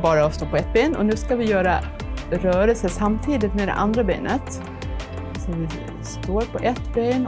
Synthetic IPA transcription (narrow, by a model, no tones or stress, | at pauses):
bɑːɾaɔst̪oːpʰɔɛt̪̚ːbeːnɔ̰nʉ̟ːskavɪjœːɾa | ɾœːɾəlsəsamːt̪ʰiːd̪ɪt̪mɛd̪ɛ̰ʔa̰nd̪ɾabḛːnʔə̰t̪ | sɔvɪ | st̪oːɾpʰɔʔɛt̪beːn